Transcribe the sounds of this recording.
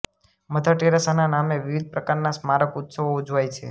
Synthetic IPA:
məd̪ʱaʈeɾasananameʋiʋid̪̚ʱpɾəkaɾnasmaɾəkut̪səʋoud͡ʒʱʋajt͡ʃʰḛ

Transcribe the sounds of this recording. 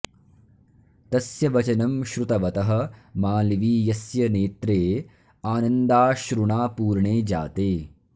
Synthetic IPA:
t̪ɐsjɐʋɐt͡ʃɐnɐmʃɾut̪ɐʋɐt̪ɐɦɐ̆maːliʋiːjɐsjɐneːt̪ɾeː | aːnɐnd̪aːʃɾuɳaːpuːɾɳeːd͡ʒa̰ːt̪eː

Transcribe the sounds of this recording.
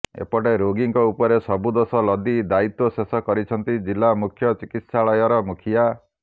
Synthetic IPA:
ḛpɔʈeɾoɡiŋkɔupɔɾesɔbud̪osɔlɔd̪id̪ait̪ɔsesɔkɔɾit͡ʃʰɔnt̪id͡ʒilamukʰjɔt͡ʃikit̪saɭɔjɔɾɔmukʰija

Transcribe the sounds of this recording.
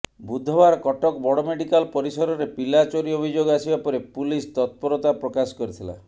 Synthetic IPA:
bud̪ʱːɔbaɾɔkɔʈɔkbɔɽɔmeɽikalpɔɾisɔɾɔɾepilat͡ʃoɾiobʱid͡ʒoɡasibapɔɾepulist̪ɔt̪̚pɔɾɔt̪apɾɔkasɔ̥kɔɾit̪ʰila̰

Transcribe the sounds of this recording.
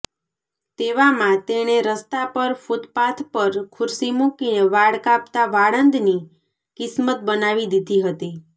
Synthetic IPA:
t̪eʋamãt̪eɽ̃eɾəst̪apəɾfut̪pat̪ʰpəɾkʰʊɾsimũkineʋaɽkapt̪aʋaɽənd̪ni | kɪsmət̪̚bənaʋid̪id̪ʱiɦət̪i

